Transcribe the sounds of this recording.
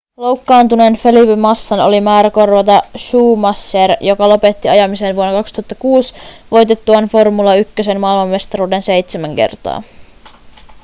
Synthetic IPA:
lo̞wkːɑːnt̪unenfe̞lipemɑsːɑno̞̰limæːɾæko̞rʋɑt̪ɑʃuːmɑsːerjo̞kɑlo̞pe̞t̪ːiɑjɑmisenʋuonːɑkɑkst̪uhɑt̪ːɑkuːsʋo̞jt̪e̞t̪ːuɑnfo̞rmulɑykːøse̞nmɑːilmɑmːe̞st̪ɑɾuːde̞nse̞jt̪semæŋke̞̰rt̪ɑ̰ː

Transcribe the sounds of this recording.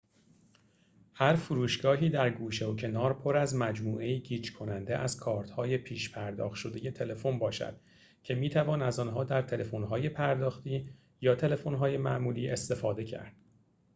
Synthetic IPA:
hæɾfuɾuːʃɡ̥ɒːɦiːd̪æɾɡuːʃeocʰe̞nɒːɾpʰo̞ɾæzmæd͡ʒmuːʔe̞jiːɟiːd͡ʒkʰo̞nænd̪eʔæz̥kʰɒːɾt̪hɒːje̞pʰiːʃpʰæɾd̪ɒ̰ːxʃo̞d̪e̞je̞t̪ʰe̞le̞fo̞nbɒːʃæ̰d̪̥ | cʰe̞miːt̪ʰævɒːnæzɒːnɦɒːd̪æɾt̪ʰe̞le̞fonɦɒːje̞pʰæɾd̪ɒːxt̪iː | jɒːt̪ʰe̞lefo̞nɦɒːje̞mæʔmuːliːʔe̞st̪e̞fɒːd̪e̞cʰæ̰ɾd̪̥

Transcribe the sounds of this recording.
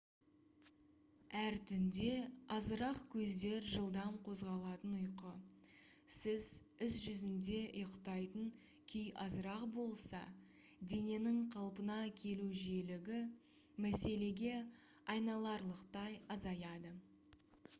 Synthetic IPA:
æɾt̪ʰʏnd̪e̞ɑzəɾɑqkʲʰɵzd̪e̞ɾʒəlˠd̪ɑmqʰo̞zʁɑlˠɑt̪ənʊjqə | sɪz | ɪs̬ʒʏzɪnd̪e̞ʊjəqt̪ɑjt̪əŋ | kʲʰʏjɑzəɾɑqbo̞lˠsɑ̰ | d̪e̞ne̞nɪɴqʰɑlˠpənɑkʲʰe̞luʒije̞lɪɡʲɪ | mæse̞le̞ɡʲe̞ | ɑjnɑlˠɑɾlˠəqt̪ɑjɑzɑjɑd̪ə

